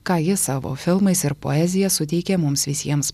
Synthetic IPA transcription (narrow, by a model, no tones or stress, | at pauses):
kɑːjɪsɑːʋo̰ːfʲɪlˠmɐɪsɪɾpo̰ːɛːzʲɪjɛsʊt̪ʲɛɪkʲeːmʊmsʋʲɪsʲiɛms